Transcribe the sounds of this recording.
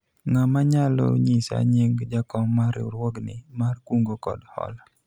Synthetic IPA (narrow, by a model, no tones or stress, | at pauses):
ŋamaɲalɔ̰ɲisa̰ɲeŋd͡ʒakɔŋmaɾṵɾwɔɡnɪmarkwuŋɡokɔ̰dhɔ̰l